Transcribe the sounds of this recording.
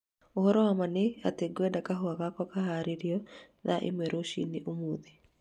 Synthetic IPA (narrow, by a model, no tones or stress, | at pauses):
ohɔɾɔwamanea̰teɡwɛdakaɦoaɣakɔkaɦaɾeɾiɔ | ðaʔḛmwɛɾoʃḭniʔomoːði